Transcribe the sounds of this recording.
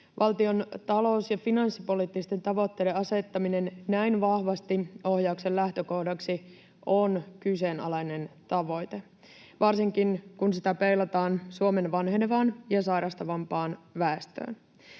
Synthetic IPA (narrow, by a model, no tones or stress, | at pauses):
ʋʔɑlt̪io̞nt̪ɑlo̞usjɑfinɑnsːipo̞liːt̪ːist̪e̞nt̪ɑʋo̞t̪ːe̞ːdeɑse̞t̪ːɑmine̞nnæinʋɑhʋɑst̪io̞hjɑukse̞llæht̪øko̞hdɑksi | onkyse̞ːnɑ̰lɑjne̞nt̪ɑʋo̞jt̪e̞ | ʋɑrsiŋkinkunsit̪æpejlɑt̪ɑːnsuome̞nʋɑnɦenʋɑːnjɑsɑjɾɑst̪ɑʋɑmpɑːnʋæest̪ø̰ːn